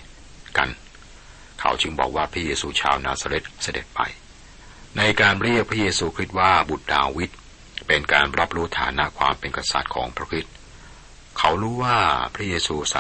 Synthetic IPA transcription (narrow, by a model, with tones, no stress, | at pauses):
ka̰˧n | kʰa̰˩˦wt͡ɕɯ˧ŋbɔ̰ː˨˩k̚waː˥˩pʰɾa˦˥jeː˧suː˧t͡ɕʰa̰ː˧wnaː˧saː˧ɾe˦˥t̪̚sa˧dḛ˨˩t̪̚pa̰˧j | na˧jkaː˧nɾi˥˩ək̚pʰɾa˥jeː˧suː˧kʰɾi˦˥t̪̚waː˥˩bu˨˩t̪̚da̰ː˧wi˦˥t̪̚ | pe˧nkaː˧nɾa˦˥p̚ɾuː˦˥t̪ʰa̰ː˩˦na˦˥ʔkʰwa̰ː˧mpe˧nka˧sa̰˨˩t̪̚kʰɔː˩˦ŋpʰɾa˦˥kʰɾi˦˥t̪̚ | kʰa˦˥wɾuː˦˥waː˥˩pʰɾa˦˥jeː˧suː˧sa̰˨˩